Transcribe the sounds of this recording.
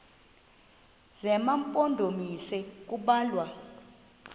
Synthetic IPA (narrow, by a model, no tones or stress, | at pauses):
zɛmampʼondʱomisɛk̬ʼuɓaːlwa